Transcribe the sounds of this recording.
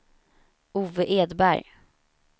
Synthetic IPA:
uːvəʔeːd̪bæ̰ɾj

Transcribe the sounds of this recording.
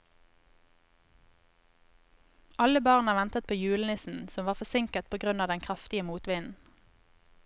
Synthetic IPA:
ʔɑləbɑːʁnɑʋɛnt̪ət̪̚pʰoːjʉːlənɪsn̩sɔmʋɑːʁfɔsɪŋkəʁt̪̚pʰoːɡʁʉnɑːʋd̪ɛnŋkʰʁɑft̪ɪəmuːt̪ʋɪnn̩

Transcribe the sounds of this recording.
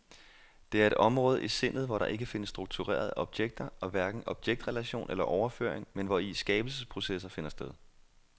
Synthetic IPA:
d̥e̝æɐe̝ɾ̥ɒ̽mʁɔ̽ːð̞̩ˠʔise̝n̰ð̞̩ˠʋɒɾɑ̈ʔe̝ɡ̥əfe̝nəsːd̥ʁuɡ̥̚t͡sʰuʁɛ̰ːɐð̞ˠɒ̽b̥jeɡ̥̚d̥ɐɒ̽ʋæɐɡ̥n̩ɒ̽b̥jeɡ̥̚d̥ʁɛlæɕo̝̰ːnʔelɐʔɒʊɐfø̰ɐ̰eŋmenʋɒisɡ̥ɛːb̥l̩səspʰʁo̝sesɐfe̝nɐsd̥eð̞ˠ

